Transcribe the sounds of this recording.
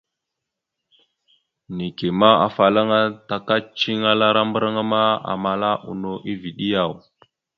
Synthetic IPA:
ni˨ke˨ma˦a̰˨fa˨la˦ŋa˦ta˨ka˦t͡ʃi˦ŋa˦la˦ɾa˦mbə˦ɾa˦ŋa˦ma˦a̰˨ma˨la˦ʔṵ˨no˨ʔi˦vi˨ɗi˦ja˨w

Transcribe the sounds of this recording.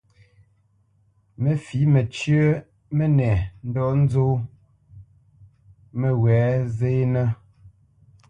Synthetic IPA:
me˨fi˨˦mɛ˨t͡ʃɥə˦ | me˦nɛ˨n̩˦dɔ˦n̩˦zo˦ | me˨wɛː˨˦ze˦nə˦

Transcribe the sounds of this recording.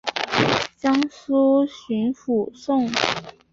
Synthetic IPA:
ɕjɑ˥ŋsu˥ɕy˧˥nfu˨˩ʂʊ˥˩ŋ

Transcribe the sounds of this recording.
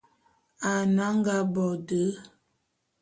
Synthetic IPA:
a˨na˦ŋ˦ɡa˦bɔ˨də˨˦

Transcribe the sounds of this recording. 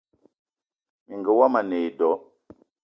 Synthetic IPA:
mi˨ŋɡə˨wa˦ma˨ne˨i˨dɔ˨˦

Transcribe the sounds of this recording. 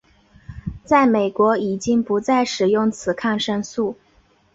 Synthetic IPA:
t͡sa˥˩ɪme˨˩ɪkwɔ˧˥i˨˩t͡ɕi˥ŋpu˧˥t͡sa˥˩ɪʂɻ̩˨˩jʊ˥˩ŋt͡sʰɹ̩˨˩kʰa˥˩nʂə˥ŋsu˥˩

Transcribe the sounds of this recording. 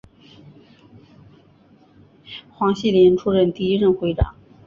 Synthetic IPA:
xwɑ˧˥ŋɕi˥˩ljɛ˧˥nʈ͡ʂʰu˥ɻə˥˧nt̪i˥˧i˥ɻə˥˩nxwe˧˥ɪʈ͡ʂɑ̰˨˩˦ŋ

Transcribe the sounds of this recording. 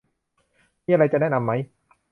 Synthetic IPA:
miː˧˩ʔa˧ɾa˧jt͡ɕa˨ʔnɛː˥˩na˧mːa˦˥j

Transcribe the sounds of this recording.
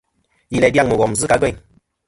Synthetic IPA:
ji˨lɛ˨dja˦˨ŋmə˨ɡɔ˨m˨zɨ˦ka˨˦ɡe˦˨ŋ

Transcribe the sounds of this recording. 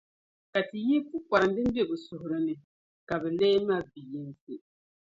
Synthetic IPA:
ka˨ti˨ji˦pu˦ka˨ɾɨ˨n˦dɨ˦m˦be˦bʊ˨sʊ˨hʊ˨ɾɨ˦nɨ˨ | ka˨bɛ˨leː˦ma˦˨bi˨ji˦nsɨ˦

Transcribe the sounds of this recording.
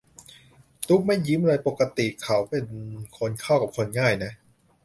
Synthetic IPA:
t̪u˦˥k̚ma˥˩jːi˦˥mɾɤː˧jpo˨˩kːa˧t̪i˨˩kʰa˩˦˥wpe˧nkʰo˧nkʰa˥˩wka˨˩p̚kʰo˧nŋaː˥˩jna˦˥ʔ

